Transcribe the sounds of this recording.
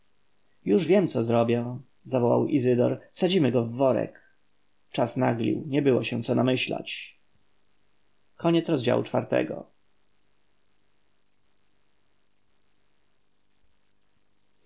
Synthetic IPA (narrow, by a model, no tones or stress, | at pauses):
juʐvʲjɛmt̪sɔzɾɔbʲjɛ | zavɔwa̰wizɘd̪ɔ̰ɾsad͡ʑimɘɡɔvːɔɾɛ̰k | t͡ʂasnaɡlʲḭwɲɛbɘwɔɕɛ̃t̪sɔnamɘɕla̰t͡ɕ | kʰɔɲɛt̪sɾɔzd͡ʑa̰wut͡ʂfaɾt̪ɛ̰ɡɔ̰